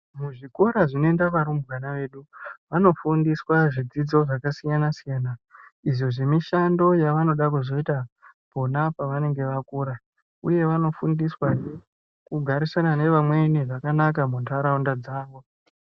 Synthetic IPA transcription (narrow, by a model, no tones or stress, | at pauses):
muʐikoɾaʐino̞endaʋaɾumbwanaʋe̞ːɗuʋano̞fundiswaʐid͡zid͡zo̞ʐakasijanasijaːnaiʐo̞ʐemiʃando̞jaʋano̞ɗakuzo̞ita | po̞napaʋane̞ŋɡe̞ʋakuːɾa | ṵje̞ʋano̞fundiswane | kuɡʱaɾisanane̞ʋamwe̞niʐakanakamuntaɾaundad͡zaːŋɡu